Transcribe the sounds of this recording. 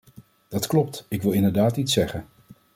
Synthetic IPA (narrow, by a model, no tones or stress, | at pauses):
d̥ɑtklɔp̚tɪkʋɪlˠɪndəɹdaːtitsɛχən